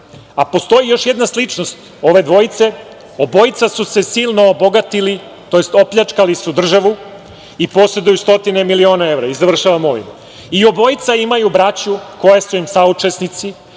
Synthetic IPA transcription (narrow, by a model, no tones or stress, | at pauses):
apo̞st̪o̞jijo̞ʃjed̪naslit͡ʂnost̪ | o̞ʋe̞d̪ʋo̞jit̪se̞ | obo̞jit̪sasuse̞siːlˠno̞ːbo̞ɡat̪ili | t̪o̞je̞st̪o̞pʎat͡ʂkalisud̪r̩ʒaʋu | ipo̞sed̪ujust̪o̞t̪ine̞milio̞ːnae̞vɾaizaʋr̩ʃaʋamo̞ʋḭm | io̞bo̞jit̪saimajubɾat͡ɕuko̞jesuimsaut͡ʂe̞snit̪si